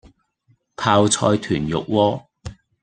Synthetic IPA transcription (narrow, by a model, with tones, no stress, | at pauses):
p̪ʰaː˧wt͡sʰɔː˧jt̪ʰyː˨˩njʊ̰˨k̚wɔː˧